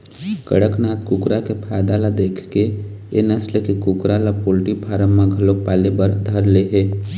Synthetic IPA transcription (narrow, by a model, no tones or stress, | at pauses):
kə̰ɽəknaːt̪kukɾakepʰaːd̪alad̪eːkʰke | enəsləkikukɾalapoːlʈipʰaːɾəmːãɡʱəlopaːlebəɾd̪ʱəɾleɦeː